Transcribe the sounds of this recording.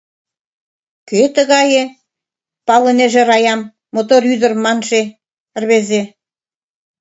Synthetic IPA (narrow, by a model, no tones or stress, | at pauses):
ket̪ə̆ɣɑje | pɑlə̆neʒĕɾɑjɑmː | ot̪oɾyd̪ə̆rmɑnʃe | ə̆rβeze